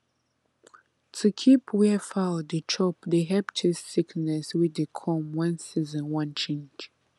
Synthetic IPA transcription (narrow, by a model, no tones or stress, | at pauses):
tʰukʰipʰwɛfadət͡ʃʰɔp̚deɦɛptʰɪz̥siknɛswidəkʰɔ̃mwãnsizə̃nwãnt͡ʃʰẽnd͡ʒ